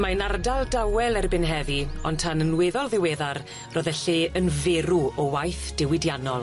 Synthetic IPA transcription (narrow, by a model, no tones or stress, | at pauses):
manardalˠdawɛlˠɛrbɪnɦɛðiɔntʰanənweðɔlˠðɪwɛðar | rɔðɛɬeːənvɛɾuɔwajθd̥ɪwɪdjanɔlˠ